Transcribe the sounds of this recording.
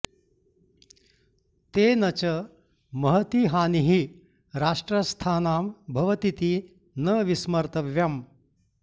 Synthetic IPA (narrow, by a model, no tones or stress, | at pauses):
t̪eːnɐt͡ɕɐ | mɐɦət̪iɦaːniɦi | ɾaːʂʈɾɐst̪ʰaːnaːmbʱɐʋɐt̪it̪i | nɐʋismɐɾt̪ɐʋjɐm